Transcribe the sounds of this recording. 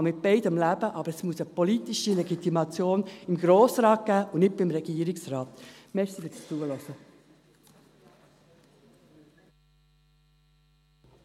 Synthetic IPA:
mɪt̚b̥eɪdəmlæb̥əʔɑb̥əɾɛsmuəsəpɔlitiʃilɛɡit̪imɑt͡sjoːnɪmɡɾoːsɾɑːt̚ɡ̥æːʔʊnnɪt̚bɪmɾɛɡ̥iːəɾɪksɾɑːtmɛxsifɪsit͡suəlɔsə

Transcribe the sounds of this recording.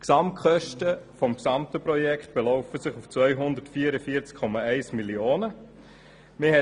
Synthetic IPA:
ksɑmtkχœʃtəfɔmksɑmtəpɾɔjɛkχt̪̚b̥elɔʊfəsɪχuft͡sʋvœʏɦʊndətfiːəɾəfiːt͡skʰːɔmɑɛɪsmilioːnə | mɪhɛ

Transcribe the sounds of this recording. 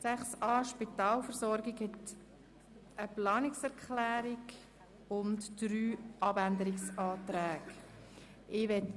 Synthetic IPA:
sæχsɑːʃpit̪ɑːlfəɾzɔɾɡɪɡhɛt̪ | ʔəplɑːnɪksɛɾkχlæːɾɪɡ | ʊntd̥ɾyːʔɑbænd̪əɾɪksɑːt̪ɾæːɡ | ʔɪʋɛt

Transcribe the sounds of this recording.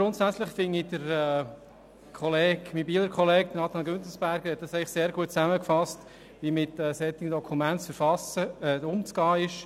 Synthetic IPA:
ɡ̥ɾʊntsæt͡slɪχfɪnid̥əɾɛː | kʰɔleːɡmibiːləɾkʰɔlɛːk̚d̥̪ənɑt̪ɑnɡønt̪l̩sb̥æɾɡəɾhɛt̚d̥ɑsɛɪlɪχseːɾɡuət̚t͡sæməkfɑst | ʋimɪtɛːsɛt̪ɪŋəndɔkʰumæntsfəɾfɑsəʊmt͡sɡɑːɪʃ

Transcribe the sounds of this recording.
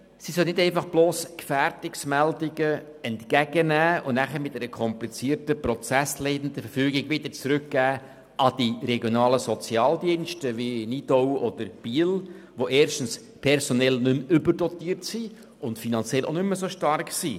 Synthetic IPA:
sisœlnɪdɛɪnfɑχb̥loːskfæɾtɪksmældɪɡə | ɛntkæɡ̥ənæːʊnnæχəmɪtɛɾəkʰɔmplit͡siːəɾtəpɾɔt͡sæsleɪdən̩d̪əfəɾfyːɡɪɡʋɪd̪əɾt͡sɾʉkɡ̥æː | ʔɑd̥iɾɛɡjonɑːləsɔt͡sjɑːld̪iənʃtəʋinid̥ɔwɔd̥əɾb̥iːlʋoʔeːɾʃtn̩s | pʰɛɾsonɛlnʏmʏbəɾdɔtiːəɾtsi | ʊntfinɑnt͡sɛlʔo̰nʏmːəsoʃtɑrksiː

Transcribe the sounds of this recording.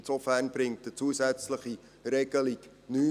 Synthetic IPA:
tsofærnb̥ɾɪŋt̚ət͡suəsæt͡sləχi | ɾɛɡ̥əlik | nyː

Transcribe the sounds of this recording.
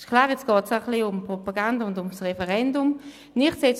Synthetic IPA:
ʃkʰlaːʁɛt͡sɡ̥ɔːtsaχliʊmpʁopaɡandaʊntʊmsʁɛfɛʁɛndʊm | nɪχseːt͡s

